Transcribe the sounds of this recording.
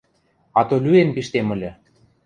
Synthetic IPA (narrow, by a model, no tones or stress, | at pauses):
ɑt̪olʲyempiʃt̪emə̆lʲɤ̆